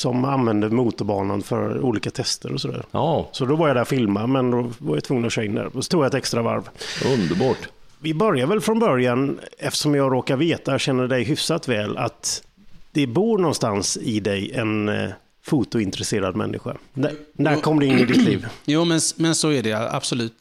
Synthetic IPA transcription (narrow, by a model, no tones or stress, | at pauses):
sɔmanvɛnd̪əmuːt̪ʊbɑːna̰nfœ̰ɾṵːliːkat̪ʰɛst̪əɾɔsɔd̪æ̰ːɾsɔd̪ɔvaɾjad̪æɾfɪlmamɛnd̪ɔvaɾjat̪vɵŋːənɔɕœːɪnd̪æ̰ɾsɔt̪ʰɾuːɡjaɛt̪ɛkst̪ɾava̰ɾvɵnd̪əbɑːʈ | vɪbœɾjaɾvɛlfɾɔnbœɾjanɛft̪ə̥ʂɔmjɑːɡɾoːkaɾveːt̪ajɕɛnːəɖɛjɦʏfsat̪vɛːla̰t̪ | d̪̥ɛbuːɾɳɔnst̪ansɪd̪ɛjɛ̰n | fuːt̪ʊɪnt̪əɾɛseːɾad̪mɛ̰nːʔɪ̰ɧa̰nnæɾkʰɔmːd̪ɛɪnːɪd̪ɪt̪ʰːlḭːvjuːmɛnmɛnsɔæɖɛa̰b̥sɔlʉ̟ːt̪